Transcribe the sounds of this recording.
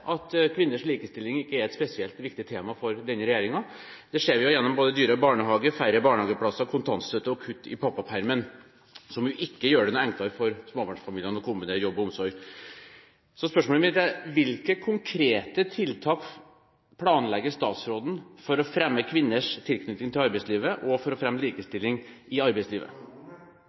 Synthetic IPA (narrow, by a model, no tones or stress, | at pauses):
ʔɑt̪kʰʋɪnːəʂliːkəst̪ɪlːɪŋɪkːəæɾɛt̪spɛsɪɛlt̪ʋɪk̚t̪ɪt̪ʰeːmɑfɔɾd̪ɛnːəɾɛjæːɾɪŋɑd̪̥ɛʂeːɾjʊjɛnːɔmboːd̪əd̪yːɾəbɑːɳəɦɑːɡəfæɾəbɑːɳhɑːɡəpʰlɑsɑkʰʊnt̪ʰɑnssœt̪ːəɔkʰʉt̪ːɪ̰pʰɑpːɑpʰæɾmən | sɔmjʊʔɪkːəjøːɖɛnɔɛŋk̪ɑɾfɔɾsmoːbɑɳʂfɑmiːljənɔkʰʊmbɪneːɾjɔbːɔʊmsɔɾɡ | sɔspœʂmoːləmɪnət̪æʋɪlkəkʰʊŋkʰɾeːt̪ət̪ʰɪlt̪ʰɑːk | pʰlɑːnlɛɡːəʂt̪ɑːt̪sɾoːd̪n̩fɔɾɔfɾɛmːəkʰʋɪnːəʂt̪ʰɪlkʰnʏt̪nɪŋt̪ɪlɑɾbɛɪsliːʋəʔɔfɔɾɔfɾɛmːəliːkəst̪ɪlːɪŋ | ɪɑɾbɛɪsliːʋə̰